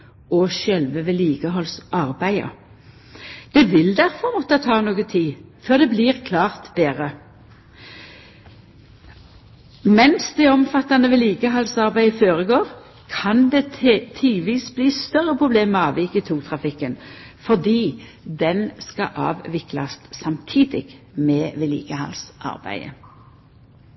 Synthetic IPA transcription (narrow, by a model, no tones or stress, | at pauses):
ɔʃɛlʋəʋeːliːɡ̥əɦɔlsɑʁbæɪə̰ | d̪̥ɛʋɪld̪æʁfɔʁmɔt̪ːət̪ʰɑːnuːɡət̪ʰiːføːʁd̪ɛːbliːʁkʰlɑːʁt̪b̪eːʁə | mɛnsd̪ɛɔmfɑt̪ːɑnəʋeliːɡəɦɑlsɑʁbæɪføːʁəɡoːʁ | kʰɑnd̪eːt̪ʰilʋiːsbliːst̪œʁəpʰʁʊbleːməɑːʋɪkːət̪ʰuːt̪ʰʁɑfɪkːənfɔʁd̪iː | d̪ɛnskɑ̰ʔɑ̰ːʋʋɪklɑ̰st̪sɑmt̪ʰiːd̪ɪ̰ɡmeːʋelḭːɡəhɑ̰lsʔɑ̰ʁbæ̰ɪə̰